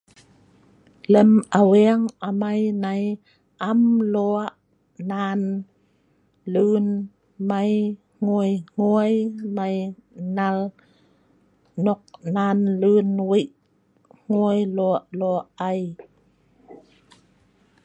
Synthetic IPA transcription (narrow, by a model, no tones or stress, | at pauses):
ləmʔawɛəŋʔamajnaj | ʔamlɔʔ | naːn | lɯːn | maj | ŋuəjŋ̥uəjmajnal | nɔk̚naːnlɯːnwiʔ | ŋ̥uəjlɔʔlɔʔaj